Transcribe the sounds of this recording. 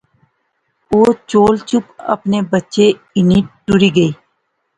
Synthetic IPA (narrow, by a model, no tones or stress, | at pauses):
oːt͡ʃoːlt͡ʃʊpə̰pneːbətːʃe | ɪniʈʈʊɾiːɡəiː